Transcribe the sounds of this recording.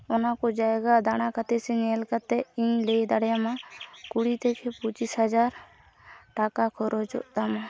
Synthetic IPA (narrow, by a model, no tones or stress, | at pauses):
ʊnakod͡ʒaːeɡad̪añakat̪eseɲeːlkət̪eĩːled̪aɽjamãkuɽit̪ekʰepʊt͡ʃisɦəd͡ʒaːɾ | ʈaːkakʰɔɾot͡ʃɔ̰ʔt̪amã